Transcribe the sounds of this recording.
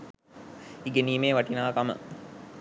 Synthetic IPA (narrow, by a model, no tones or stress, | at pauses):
iɡeniːmeːʋɐʈinaːkamə̰